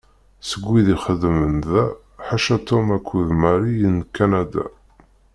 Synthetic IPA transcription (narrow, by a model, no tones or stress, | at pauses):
səɡʷːiðiχəðmənðæ | ħaʃæt̪ʰomækʷʰːuðmæɾijənːkːænæd̪æ̰